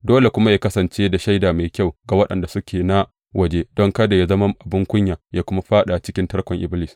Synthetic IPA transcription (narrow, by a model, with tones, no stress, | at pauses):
doː˦le˨kʷʊ˦ma˦jaː˦kɐ˦sɐ˨nt͡ʃeː˦da˨ʃa˦jdaː˨ma˨jkʲa˦˨wɡa˨wɐ˦ɗɐ̰˨nda˨sʊ˦kʲeː˨na˦ | wʔɐ˨d͡ʒeː˦d̥ɔ˦ŋkɐ˦da˨ja˦zɐ˦ma˦mʔa˨bɪ˦ŋkʷʊ˦ɲjaː˨jaː˦kʷʊ˦ma˦ɸaː˦ɗa˨t͡ʃɪ˦kʲɪ˦ntɐ˦ɽkʷɔ˨ŋʔɪ˦blɪ˨s